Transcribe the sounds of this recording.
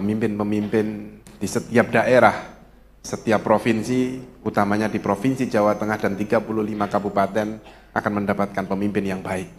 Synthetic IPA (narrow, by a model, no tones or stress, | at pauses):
pəmimpɪnpəmimpɪnd̥isət̪iap̚daʔeɾah | sət̪iapːɾofinsiut̪amaɲadipɾofinsid͡ʒawat̪əŋahdant̪iɡapuluhlimakabupat̪ɛn | ʔa̰kanməndapat̪̚kanpəmimpɪnjaŋbaɪk̚